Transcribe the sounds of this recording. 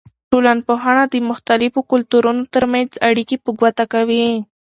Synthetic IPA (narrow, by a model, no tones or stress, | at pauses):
ʈolanpoɦaɳad̪əmʊxt̪alɪfokʊlt̪uɾunot̪əɾmanzaɽikepəɡwat̪akawi